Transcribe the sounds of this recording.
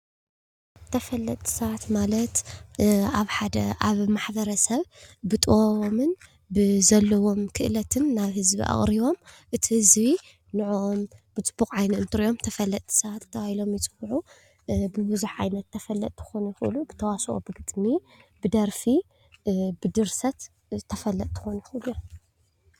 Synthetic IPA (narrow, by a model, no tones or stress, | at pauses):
t̪ʰɐfɐlːɐt̪ʼʰːi̥sɐβat̪malɐt̪ | aβħad̪ɐ̰ʔaβmaħbɐɾɐsɐβbɨt̪ʼɨwoβomɨn | bɨzɐlːɐwo̞mkʰɨʔɨlɐt̪ʰɨnːaβhɨzbḭʔa̰χʼɾiβo̞m | ʔɨt̪ʰihɨzβi | nɨʕoʔombɨt͡sʼɨb̥ːukʼʕajnɨɨnt̪ʰɨɾiʔo̞mt̪ʰɐfɐlːɐt̪ʼʰːɨ̥sɐβat̪t̪ʰːɐwahilo̞mjɪt͡sʼɨbʕu | bɨβɨzuħʕajnɐt̪ʰːɐfɐlːɐ̰t̪ʼt̪ʰːɨ̥xonjɪxɨʔlubɨt̪ʰɐwasʔʼo̰bɨɡɨt̪ʼmi | bɨd̪ɐɾfi | bɨd̪ɨɾsɐt̪ | t̪ʰːɐfɐlːɐt̪̚ʼt̪ʰːɨ̥xonujɪxɨluj